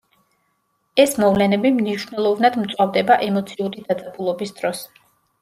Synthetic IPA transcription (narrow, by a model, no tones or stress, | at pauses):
ɛsmɔvlɛnɛbimniʃnɛlˠɔvnad̪mt̪sʼwavd̪ɛbaʔɛmɔt̪sʰiuɾid̪ad̪zʼabʰulˠɔbisd̪ɾɔs